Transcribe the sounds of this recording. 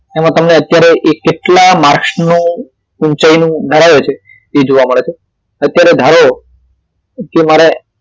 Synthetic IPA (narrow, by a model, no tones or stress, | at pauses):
ɛmãt̪əmneət̪jaɾeʔekːeʈlamaɾksnũ | ũɲt͡ʃainũd̪ʱəɾajot͡ʃʰe | ed͡ʒoʋaməɭet͡ʃʰe | ət̪jaɾed̪ʱaɾo | kemaɾe